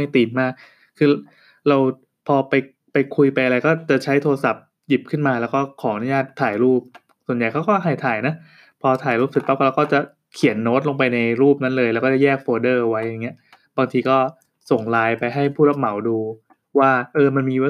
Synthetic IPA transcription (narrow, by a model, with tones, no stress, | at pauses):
a˥˩jt̪iː˨˩nmaː˥˩k̚ʰː | ɯː˧ | ɾa˧w | pʰɔː˧pa˧j | pa˧jkʰu˧jpa˧jʔa˧ɾa˧jkɔː˥˩t͡ɕa˨˩t͡ɕʰa˦˥jt̪ʰoː˧ɾa˧sa˨˩p̚ | ji˨˩p̚kʰɯ˥˩nmaː˧lɛː˦˥wkɔː˥˩kʰɔː˩˦ʔnu˧˥˦jaː˥˩t̪ʰːaː˨˩jɾuː˥˩p̚ | su˨˩ənja˨˩jkʰa˦˥wkɔː˥˩ɦa˨˩jt̪ʰaː˨˩jna˦˥ | pʰɔː˧t̪ʰaː˨˩jɾuː˥˩p̚si˨˩t̪̚pa˦˥p̚klaː˧˥kɔː˥˩t͡ɕa˨˩ | kʰi˨˩˦nːoː˦˥t̪̚lo˧ŋp̬a˧jna˧jɾuː˥˩p̚na˦˥nlɤː˧jlɛː˧˦˥wkɔː˥˩a˥˩jɛː˥˩k̚foː˧dɤː˥˩˧wa˦˥jːa˨˩ŋːi˦˥ɐ | baː˧ŋt̪ʰiː˧kɔː˥˩ | so˨˩ŋlaː˧jpa˧jɦa˥˩jpʰu˥˩la˦˥p̚ma˩˦wduː˧ | waː˥˩ʔɤː˧ma˧nmiː˧w